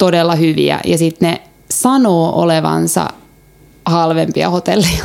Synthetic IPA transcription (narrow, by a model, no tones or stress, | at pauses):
t̪odelːɑhyʋḭæ̰jɑsit̪ne | sɑnoːʔoleʋɑ̰nsɑ̰ | hɑlʋempiɑ̰hot̪elːijɑ̥